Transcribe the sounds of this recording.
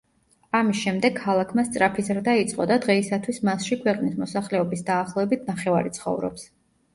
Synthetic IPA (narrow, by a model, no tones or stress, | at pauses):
amisʃɛmd̪ɛɡkʰːalˠakʰmast̪sʼɾapʰizɾd̪ait̪sʼqʼɔd̪ad̪ʁɛisat̪ʰwismasʃikʰwɛqʼnismɔsaχlɛɔbisd̪aːχlˠɔɛbit̪ʰnaχɛva̰ɾit̪sʰχɔ̰vɾɔ̰ps